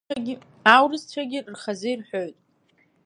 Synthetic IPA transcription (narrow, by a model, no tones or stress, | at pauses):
ɡʲ | awrɨzt͡ɕʷʰaɡʲɪrrχazɨirħʷᶣoɥtʼ